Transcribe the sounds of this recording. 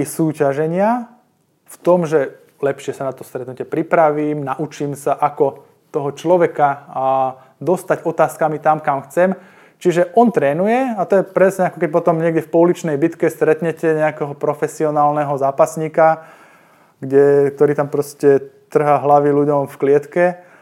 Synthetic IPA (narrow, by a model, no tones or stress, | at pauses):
suːcaʒɛɲɪa | ft̪ɔmʒɛ | lɛpʃɪɛsanat̪ɔst̪ɾɛt̪nucɪɛpɾipɾaʋiːmnaʔut͡ʃimsaʔakɔ | t̪ɔɦɔt͡ʃlɔʋɛkaa | d̪ɔst̪aɟɔt̪aːskamit̪amkamxt͡sɛm | t͡ʃiʒɛʔɔnt̪ɾɛːnujɛat̪ɔjɛpɾɛsɲɛakɔk̬ɛc̚pɔt̪ɔmɲɪɛɡɟɛfpɔulit͡ʃnɛjbit̪kɛst̪ɾɛt̪ɲɛcɛɲɛakɛɦɔpɾɔfɛsiɔnaːlnɛɦɔzaːpasɲiːka | ɡɟɛk̚t̪ɔɾiːt̪ampɾɔscɛt̪r̩ɦaɦlaʋiluɟɔmfklɪɛt̪kɛ